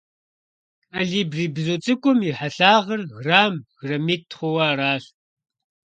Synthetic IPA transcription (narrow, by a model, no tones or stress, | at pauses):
aɮiːbriːbzot͡sʼɨkʷʼʊmiħaɬaːʁɐrɣraːmɣrɐmiːtχʷɔwaːraːɬ